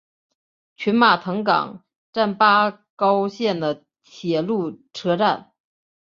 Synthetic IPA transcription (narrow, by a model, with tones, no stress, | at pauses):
t͡ɕʰy˧˥nma˨˩t̪ʰɤ˧˥ŋkɑ̰˨˩˦ŋ | ʈ͡ʂa˥˩npa˥ | kɑ˥ʊɕjɛ˥˩nd̪ə˩ | t̪ʰjɛ˨˩lu˥˩ʈ͡ʂʰɤ˥ʈ͡ʂa˥˩n